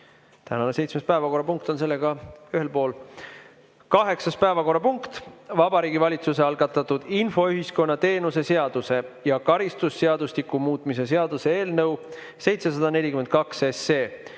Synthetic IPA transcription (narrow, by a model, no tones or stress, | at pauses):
t̪æ̰nɑne̞sejt̪sme̞spæevɑko̞rːɑpuŋk̚t̪o̞ns̬e̞lːe̞ɡ̥ɑyɦe̞lpo̞ːl | kɑɦe̞ksɑspæevɑko̞rːɑpuŋkt̪vɑbɑɾiːɡivɑlʲit̪suse̞ɑlɡ̥ɑt̪ːˑɑt̪ːˑud̪̥info̞yɦisko̞nːɑt̪e̞ːnuse̞se̞ɑd̪̥use̞jɑkɑɾist̪usːe̞ɑd̪̥uslikːˑumuːt̪ːˑmis̬e̞se̞ɑd̪̥use̞e̞ːlnɤw | se̞jt̪se̞sɑd̪̥ɑne̞lʲikyme̞nt̪̚kɑksese̞ː